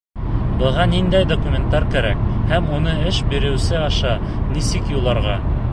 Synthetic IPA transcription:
bɤ̆ʁɑnind̪æjd̪okumʲent̪ɑɾkæɾæ̰k̚hæmunɤɘʃbiɾɘ̆wsɘɑʃɑ | nisɘkjulˠɑɾʁɑ

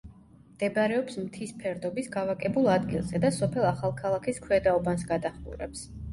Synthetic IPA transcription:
md̪̥ɛbaɾɛɔpsmt̪ʰispʰɛɾd̪ɔbisɡavakʼɛbulˠad̪ɡilˠzɛd̪asɔpʰɛlˠaχalˠkʰalˠakʰiskʰwɛd̪aɔbansɡad̪aχmṵɾɛ̰ps

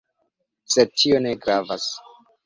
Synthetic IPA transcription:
setʰio̞ne̞ɡɾavas

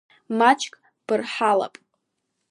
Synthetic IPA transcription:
mat͡ʃʰʼkʼ | b̥ɨrħala̰pʼ

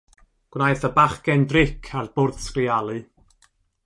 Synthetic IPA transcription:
ɡ̥wnajθəbaχɡ̥ɛndrɪkʰarb̥ʊrð̥skrialˠɨ

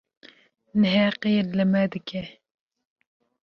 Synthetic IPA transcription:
nɨɦɛqelɨmɛd̪ɨkʰɛ

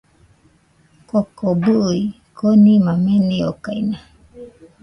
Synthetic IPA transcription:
kokobui | konimameniokajna

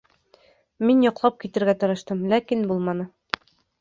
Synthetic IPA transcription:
minjɒqlˠɑp̚kit̪ɘ̆ɾɡæt̪ɤ̆ɾɤ̆ʃt̪ɤmlækinbulˠmɑnɤ

